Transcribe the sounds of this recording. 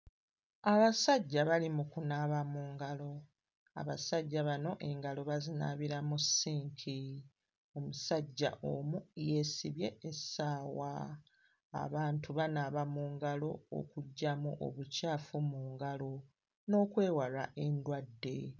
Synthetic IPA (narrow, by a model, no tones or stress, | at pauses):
aβasaɟːaβalimukunaβamuːŋɡalo̞ | a̰βasaɟːaβano̞ʔe̞ŋɡalo̞βazinaβiɾamusiːŋkʰi | o̞musaɟːa̰ʔomuje̞ːsiβje̞esaːwa̰ː | βaːntuβanaβamuːŋɡalo̞o̰kuɟːamuʔo̰βucaːfumuːŋɡalo̞ | no̞ːkwe̞ːwala̰ʔe̞ndwadːe̞̰